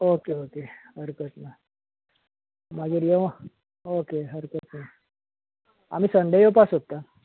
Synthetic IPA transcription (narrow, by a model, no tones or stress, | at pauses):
okeokehəɾkət̪na | maɡiːɾjeʋ | okeɦəɾkət̪na | a̰miːsənd̪ʱəjopasɦot̪a